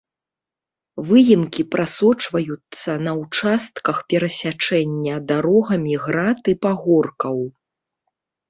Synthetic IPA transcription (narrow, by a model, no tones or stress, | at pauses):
vɨjimkʲipɾʔasɔt͡ʂvɐjut̪sːɐnɐwt͡ʂast̪̚kɐxpʲɛɾɐsʲat͡ʂɛnʲːɐd̪aɾɔɣɐmʲiɣɾat̪ɨpaɣɔrkɐw